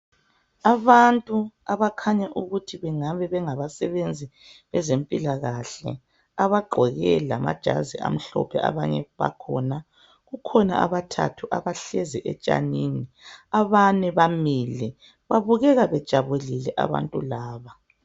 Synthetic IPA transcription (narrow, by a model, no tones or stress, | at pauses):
aβantʼuaβakʰaɲaʔuɣutʰiβɛŋaβɛβɛŋaβasɛβend͡zʱi | βɛzempʼilaɣaɬɛ̰ | aβaɡ͡ǃʱɔɣɛlama̰d̥ʒ̥ʱa̰zia̰m̩ɬɔ̰pʰɛʔa̰βaɲɛβa̰kʰɔna | ɣukʰɔna̰ʔaβatʰa̰tʰuʔaβaɬɛzɛʔɛt͡ʃʼa̰nini | aβanɛβamilɛ | βaβuɣɛɣaβɛd̥ʒ̥ʱaβelilɛʔa̰βa̰ntʼulaːβa